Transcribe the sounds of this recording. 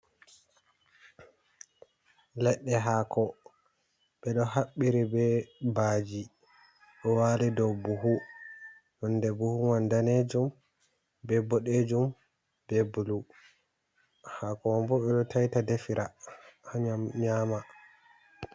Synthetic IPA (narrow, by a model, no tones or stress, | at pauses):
lɛɗːɛɦakʰɔ | ɓɛɗɔhaɓːiɾibɛbaːd͡ʒi | ɗɔwalidɔwbuɦu | ʔɔndɛbuhuwandaned͡ʒum | bɛbɔɗed͡ʒum | b̥ɛbulu | hakɔwambɔɓɛɗɔtajtadefiɾʔahaɲamɲaːma